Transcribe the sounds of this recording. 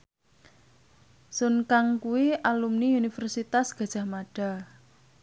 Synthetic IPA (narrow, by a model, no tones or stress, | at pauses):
sʊnkaŋkuwiʔalumniunifɛrsit̪asɡ̥a̤d̥ʒ̥a̤hmaɖ̥a̤